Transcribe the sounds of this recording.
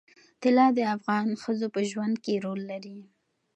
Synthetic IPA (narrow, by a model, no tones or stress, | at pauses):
t̪ɪlɑd̪əafɣɑnxəzopəʒwand̪̚keɾolːaɾi